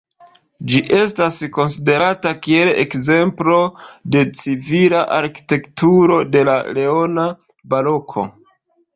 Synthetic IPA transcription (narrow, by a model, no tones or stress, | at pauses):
d͡ʒiʔe̞stasko̞nside̞ɾatakie̞lḛkze̞mplo̞de̞t͡sivilaʔaɾki̥te̞ktuɾo̞de̞lale̞o̞na | balo̞kʰo̞̰